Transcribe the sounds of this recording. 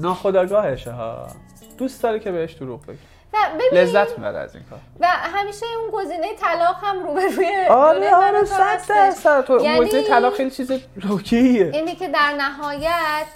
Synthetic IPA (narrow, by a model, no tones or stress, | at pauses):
nɒːxod̪ɒːɡɒːheʃeɦɒ̰ː | d̪uːsd̪̥ɒːɾecʰebeheʃd̪̥oɾuʁbḛɡi | væbele̞zːæt̪ʰmibæ̰ɾḛæ̰zḭŋkʰɒ̰ːɾvæɦæmiːʃeunɡo̞ziːnejet̪ʰælɒːɣhæmɾuːbeɾujeɒɾeɒɾesæd̪d̪æɾsæt̪ʰouɡozinejet̪ʰælɒːχejlit͡ʃʰiːzeɾocʰeieinicʰed̪æɾnæɦɒːjæt̪ʰ